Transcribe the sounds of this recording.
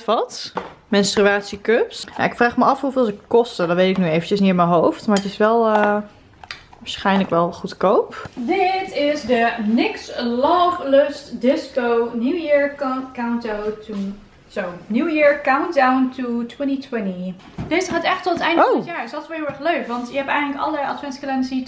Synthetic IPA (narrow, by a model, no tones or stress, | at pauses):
fɑt | mɛnstryaːtsikøpsna̰ɪkfraːχməʔɑfɦuvɪːlˠsɪkkːɔstədɔtʋejtɪknyejvəncəsniɪmənɦowftmaɹətɪsʋɛlˠə | ʋaːsχɛjnləkʋɛlˠχutkowpdɪtɪzdənɪkslɔːvlɪstdɪskownjuwjɪɹkawntowtu | sownjuwjɪɹkawntdawntutʰwɛntitwɛni | d̥eːzəχaːtɛχtɔtətɛjndoɔtjaːɹɪsdɔtɪ̥sʋɛlˠɦɪlˠɛɹχløɥkʋɑntjəɦɛpɛjχənləkɑ̰ləadfɛntskəlɛnsi